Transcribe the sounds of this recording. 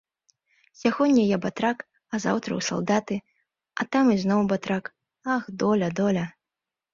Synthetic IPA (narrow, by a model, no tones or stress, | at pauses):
sʲaɣɔnʲːɐjabat̪ɾak | ɐza̰wt̪ɾɐ̰wsa̰lˠd̪at̪ɨ | ɐt̪amiznɔwbat̪ɾak | axd̪ɔlʲɐd̪ɔlʲɐ